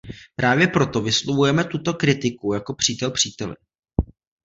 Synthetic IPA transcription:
pɾʔaːvjɛpɾo̞t̪o̞vɪslovujɛmɛt̪ut̪o̞kɾɪt̪ɪkujako̞pr̥iːt̪ɛlpr̥iːt̪ɛlɪ̰

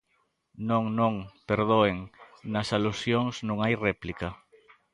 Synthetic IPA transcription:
nõŋnõŋpeɾðoeŋnɐsalusjoŋsnũŋajrɛplikɐ

